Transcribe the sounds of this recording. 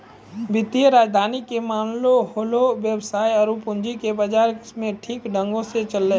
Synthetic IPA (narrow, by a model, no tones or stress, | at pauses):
ʋɪt̪iəɾaːd͡ʒd̪ʱaːnikemaːnloɦoːloʋjəbsaːiɐɾupʊɲd͡ʒikebəd͡ʒaːɾsmẽʈʰiːkɖə̃ŋɡõset͡ʃəlːe